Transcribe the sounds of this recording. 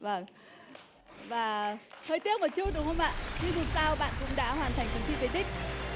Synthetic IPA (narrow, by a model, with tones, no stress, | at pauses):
və˧˩ŋ | vaː˨˩həː˧jt̪i˦˥ək̚mə˨˩t͡ɕi˦˥ək̚ɗwhə˧wŋ͡mʔa̰ː˧˨t͡ɕi˧˦vʊ˨˩t̚saː˧wɓa̰ː˧˨nkʊ̰˧˥ŋ͡mɗa̰ː˧˥hwaː˨˩nt̪ʰa˨˩j̟k̪ə˨˦ŋt̪ḭ˧˩ve˨˧˩t̪ï˦˥k̟̚